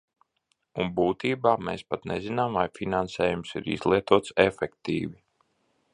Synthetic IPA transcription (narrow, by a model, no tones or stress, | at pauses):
unbuːt̪iːbaːmeːspat̪nɛzinamvajfinansɛːjumsḭɾḭzlˠiɛt̪uɔt̪sefɛkt̪ḭːvi